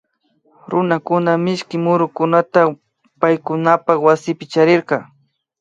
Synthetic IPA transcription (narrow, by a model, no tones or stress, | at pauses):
ɾʊnakʊnamɪʃkɪmʊɾʊkʊnat̪a | pajkʊnapɑχwasɪpɪt͡ʃaɾɪɾqɑ